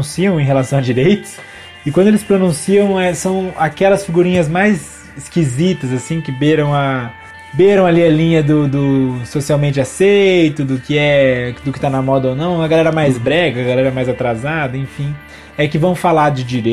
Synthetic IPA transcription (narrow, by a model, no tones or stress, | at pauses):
ũsiɐ̃w̃ẽɦelasɐ̃w̃ɐd͡ʒiɾejt̪ʊ̥s | ɪkwɐ̃d̪ʊelɪspɾonũsiɐ̃w̃ɛsɐ̃w̃akɛlɐsfiɡuɾĩɲɐzmajz | ɪskizit̪ɐzasĩkɪbeɾɐ̃w̃ɐ | beɾɐ̃w̃aliɐlĩɲɐd̪ʊd̪ʊsosiawmẽnt͡ʃɪasejt̪ʊd̪ʊkɪɛd̪ʊkɪ̥t̪anɐmɔd̪ɐownɐ̃w̃ɐɡalɛɾɐmajzbɾɛɡɐːɡalɛɾɐmajzat̪ɾazad̪ɐẽfĩ | ɛkɪvɐ̃w̃falaɾd͡ʒɪd͡ʒiɾe